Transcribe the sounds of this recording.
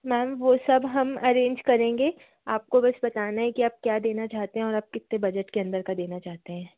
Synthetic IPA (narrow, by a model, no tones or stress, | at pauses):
mɛːmʋosɐbɦɐmɐɾẽːɲd͡ʒkɐɾẽːŋɡeː | aːp̚kobɐsbɐt̪aːnaɦɛkiaːp̚kjaːd̪eːnat͡ʃaːɦt̪eɦɛ̃ɔːɾaːp̚kɪt̪ːebɐd͡ʒəʈkeɐ̃nd̪əɾkad̪eːnat͡ʃaːɦt̪eɦɛ̃ː